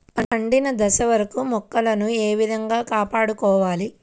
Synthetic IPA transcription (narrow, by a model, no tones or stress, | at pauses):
ɐɐɳɖinɐd̪ɐsɐʋɐɾɐkumɔkːɐlɐnueːʋid̪ʱɐŋɡaːkaːpaːɽukɔːʋaːli